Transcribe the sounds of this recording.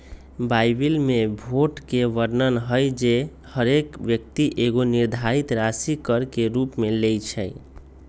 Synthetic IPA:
bajbilmebʱoʈkeʋəɾnənɦəjd͡ʒe | həɾekʋjək̚t̪iʔeɡoniɾd̪ʱaɾit̪ɾasikəɾkeɾupmelejt͡ʃʰɛj

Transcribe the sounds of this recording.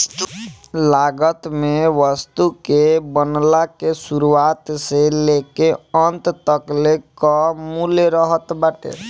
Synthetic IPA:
laɡət̪meʋəst̪ukebənlakesuɾuat̪selekeənt̪t̪əklekɔmuleɾəɦət̪bəʈḛ

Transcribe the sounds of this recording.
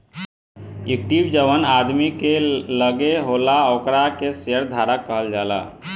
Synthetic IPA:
ik̚ʈibd͡ʒəʋənad̪mikeləɡeɦolaokɾakeseəɾd̪ʱaɾakːəɦəld͡ʒala̰

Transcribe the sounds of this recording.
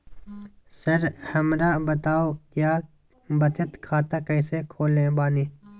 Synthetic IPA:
sɐɾhɐmɾabɐt̪aːokjaː | bɐt̪ʰət̪kʰaːt̪akɐːsekʰoːlẽbaːniː

